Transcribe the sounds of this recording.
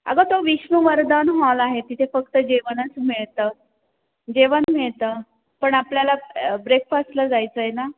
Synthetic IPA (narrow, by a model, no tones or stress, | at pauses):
a̰ɡət̪oʋiɕməʋəɾd̪anɦɔlaɦet̪it̪ʰefəkt̪əd͡ʑeʋənət͡smiɭt̪ə | d͡ʑeʋənmiɭt̪ə | pəɳapljalabɾekfast̪ləd͡zajt͡səjena